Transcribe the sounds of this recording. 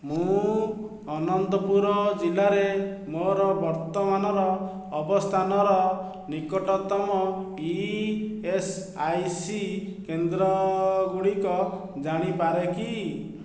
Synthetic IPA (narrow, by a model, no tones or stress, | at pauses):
mũ | ɔnɔnt̪ɔpuɾɔd͡ʒilaɾe | moɾɔbɔɾt̪ɔmanɔɾɔː | bɔst̪ʰanɔɾɔ | nikɔʈɔt̪ɔmɔ | i | esajsikend̪ɾɔɡuɽikɔ | d͡ʒaɽ̃ipaɾeki